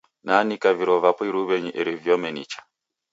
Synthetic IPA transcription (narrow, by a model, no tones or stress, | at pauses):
nanikaviɾɔvapɔiɾuβɛɲiʔɛɾivjɔmɛnḭt͡ʃḁ